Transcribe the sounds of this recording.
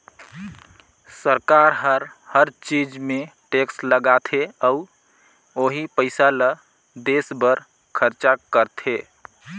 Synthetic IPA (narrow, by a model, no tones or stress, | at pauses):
səɾkaɾɦəɾhəɾt͡ʃid͡ʒmẽʈeksləɡat̪ʰeəʊ | oɦipəɪsalə | d̪esbəɾ | kʰəɾt͡ʃakəɾt̪ʰe